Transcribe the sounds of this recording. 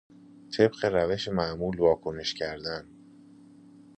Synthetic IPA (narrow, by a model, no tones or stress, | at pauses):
t̪ʰe̞bɢeɾæve̞ʃemæʔmuːlvɒːkʰo̞ne̞ʃcʰæɾd̪æn